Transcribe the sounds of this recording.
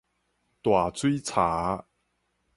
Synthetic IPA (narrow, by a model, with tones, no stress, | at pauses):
t̪wa˨˩t͡swi˦t͡sʰaː˨˦